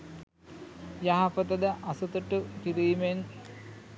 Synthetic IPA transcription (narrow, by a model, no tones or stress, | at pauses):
jaɦɐpɐt̪ɐd̪ɐʔɐsut̪uʈːukiɾiːmen